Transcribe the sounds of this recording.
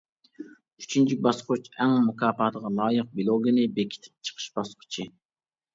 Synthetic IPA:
y̥t͡ʃʰynt͡ʃʰik̚ʲbɑsqʊt͡ʃɛŋmukʰɑːpɑːt̪əʁɑlˠɑːjəq̚bilˠoɡʲinɪbekʲʰi̥t̪ʰɪ̥p̚t͡ʃʰə̥qʰə̥ʃbɑsqʰʊ̥t͡ʃʰi

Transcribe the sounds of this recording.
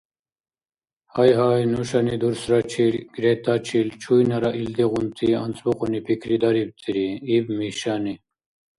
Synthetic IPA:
hajɦaːjnuɕanid̪uɾsɾat͡ɕʰiɾɡ̥ɾet̪at͡ɕʰilt͡ʃʰujnɐɾaʔild̪iɣunt̪ʰiɐ̰nsbuqonipʰikʰɾid̪aɾib̚t̪ʰiɾiibmiɕani

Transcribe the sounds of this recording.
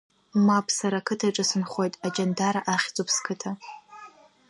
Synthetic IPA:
mapʰsaɾakʰɨtʰaʈ͡ʂʼɨsɨnχʷo̞jtʼad͡ʒandaɾaʔaχʲt͡sʼʊpʰskʰɨtʰa

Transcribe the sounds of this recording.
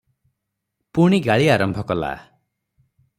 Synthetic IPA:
puɽ̃iɡaɭiaɾɔmbʱɔkɔla̰

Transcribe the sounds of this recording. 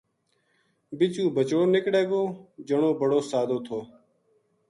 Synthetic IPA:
bɪt͡ʃũːbət͡ʃoːnɪkɽeːɡoːd͡ʒəɳoːbəɽoːsaːd̪oːt̪ʰoː

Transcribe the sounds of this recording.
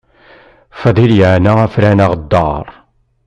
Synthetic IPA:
fæðˤiljəʕnaæfɾænaʁd̪ːɑɾˤ

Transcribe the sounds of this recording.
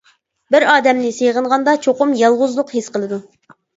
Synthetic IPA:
bɪɾɑːd̪ɛmnɪsejʁəɴʁɑnd̪ɑt͡ʃʰoqʊmjɑlˠʁʊzlˠʊqhesqəlˠɨd̪u

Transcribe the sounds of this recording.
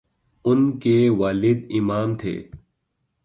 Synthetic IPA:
ʊnkewaːlɪd̪imaːmt̪ʰḛː

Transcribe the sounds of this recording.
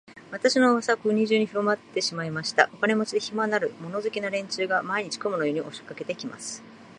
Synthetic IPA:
βat̪aɕino̞βasakɯɲ̟iʑɨːɲ̟iɸɯ̟ɾo̞mat̪ːe̞ɕimaimaɕi̥t̪aʔokane̞mo̞t͡ɕid̪e̞çimanaɾɯ̟mo̞no̞zɨkʲinaɾẽ̞ɲ̟t͡ɕɨːɡamaiɲ̟it͡ɕi̥komɯnojoːɲ̟iʔoɕo̥kːake̞t̪e̞kʲima̰sɨ̥

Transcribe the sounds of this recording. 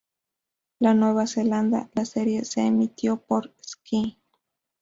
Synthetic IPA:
lanweβaseland̪a̰laseɾjeseːmit̪jopoɾski

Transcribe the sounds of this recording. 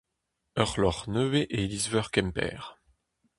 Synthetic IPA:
œʁlɔʁnøveʔelizvœʁkɛmpɛ̰ːʁ

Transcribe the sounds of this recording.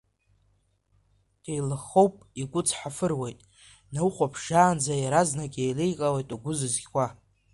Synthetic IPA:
d̥ejlɨχo̞wpʼiɡʷʊt͡sʰħafɨrwejtʼ | nawχʷapʰʂaːnd͡zajaɾaznakʲʼejlejqʼawejtʼuɡʷʊzɨzɡʲkʷa

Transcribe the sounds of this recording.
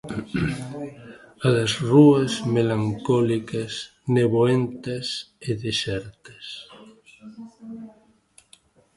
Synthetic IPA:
aðazruɐzmelaŋkɔlikɐs | neβoent̪ɐseðesɛɾt̪es

